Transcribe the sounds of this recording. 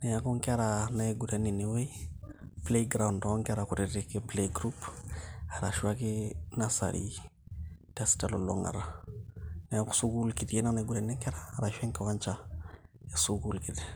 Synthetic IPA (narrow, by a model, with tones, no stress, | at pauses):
nɛ˨ja˨kɔ˦ŋke˦a˦ɾana˨eɡu˨ɾɛ˨ni˨ne˨we˦ | ple˦ɡɾa˨wndɔ˨ɔ˦ŋkɪ˦a˦ɾaku˨ɾe˨ɾeke˦pleɡɾup | a˨ɾa̰˨ʃwa˦kɪnasa̰ɾʔḭ | tasi̥talo˨lɔ̰ŋa̰ɾa˨ | nɛ˨ja˨ku̥˦su˦ɡu˦lki˨ti˦e˦na˦na˨eɡuɾɛ˨ni˦ŋka˦ɾaːɾa˨ʃwɛ˦ŋke˨wa˦ɲt͡ʃa˨ | e˨suɡu˦lkɪte